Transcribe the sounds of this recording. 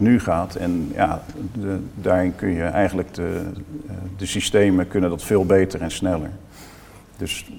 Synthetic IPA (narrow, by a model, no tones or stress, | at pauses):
nyχaːtʰɛ̰nja̰ː | daːɹɪnkɵnjəʔɛjχənləkdə | dəsistejməkɵnəndɑtfɪːlˠbejtəɹɛnsnɛlə̰ɹ | dɵs